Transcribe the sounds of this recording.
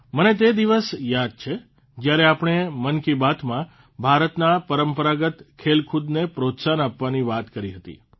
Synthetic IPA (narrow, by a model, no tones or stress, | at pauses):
mənet̪̬ed̪iʋəsjad̪̚t͡ʃʰe | d͡ʒjaɾeapɽ̃emənkibat̪mã | bʱaɾət̪napəɾəmpəɾaɡət̪kʰelkʰud̪nepɾot̪sanapʋaniʋat̪kəɾiɦət̪ḭ